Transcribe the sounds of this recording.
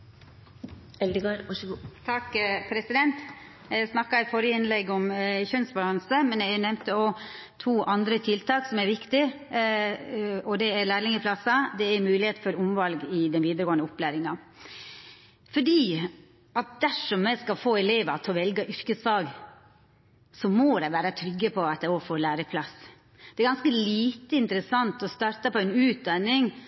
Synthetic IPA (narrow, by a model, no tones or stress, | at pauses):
ɛld̪əɡøːɾʋɑʂɡut̪ʰɑkpʰɾɛsɪd̪ɛnt̪ | jæɡsnɑkːɑɛɪfɔɾəɪnlɛɡːɔmçœnsbɑlɑnsəmɛnæɡnɛmt̪əɔ | t̪ʰuːʔɑnd̪ɾət̪ʰɪlt̪ʰɑːksɔmæɾʋɪkt̪ɪ | ɔd̪ɛæɾlæːɾlɪŋəpʰlɑsɑd̪ɛæɾmʉːlɪheːt̪fɔɾʊmʋɑlɡɪd̪ɛnʋiːd̪əɾəɡoːnəʊplæːɾɪŋɑ | fɔɖiː | ɑt̪̚d̪æʂɔmːɛskɑlfoːɛleːʋɑt̪ʰɔʋɛlɡəʔʏɾkəsfɑːɡ | sɔmod̪ɛʋæːɾət̪ʰɾʏɡːəpʰɔɑt̪̚ɛɔfoːlæːɾəpʰlɑs | d̪̥ɛæɾɡɑnskəliːt̪əɪnt̪əɾəsɑnt̪ɔst̪ɑːɾt̪ɑpɔɛnʉːt̪̚d̪ɑnːɪŋ